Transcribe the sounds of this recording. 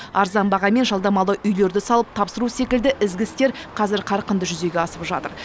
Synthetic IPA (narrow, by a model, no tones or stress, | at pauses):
ɑɾzɑnbɑʁɑme̞nʒɑlˠd̪ɑmɑlˠəʔʏjle̞ɾd̪ɪsɑlˠəp̚t̪ʰɑpsəɾuse̞kʲɪld̪ɪʔɪzɡʲɪst̪e̞ɾqʰɑzɪɾqʰɑɾqənd̪əʒʏze̞ɡʲe̞ɑsəpʒɑt̪əɾ